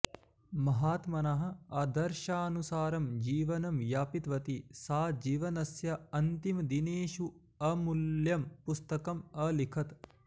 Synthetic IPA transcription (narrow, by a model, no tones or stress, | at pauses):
mɐɦaːt̪mɐnɐɦɐ̆ɐd̪ɐɾʃaːnusaːɾɐmd͡ʒiːʋɐnɐmjaːpit̪ʋɐt̪isaːd͡ʒiːʋɐnɐsjɐɐnt̪imd̪ineːʃu | ɐmuljɐmpust̪ɐkɐmɐlikʰɐt̪